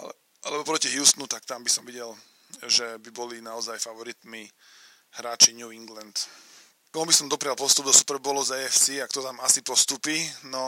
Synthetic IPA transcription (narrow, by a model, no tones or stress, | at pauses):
a̰lɛ | alɛbɔpɾɔciɦjuːst̪nut̪akt̪ambisɔmʋiɟɛl | ʒɛbibɔlinaɔzajfaʋɔɾit̪mi | hɾaːt͡ʃiɲuːiŋɡlɛnt̪ | kɔmubisɔmd̪ɔpɾɪalpɔfst̪ubd̪ɔsu̥pɛɾbɔlɔzɛɛfsiakt̪ɔt̪amasipɔst̪upiːnɔ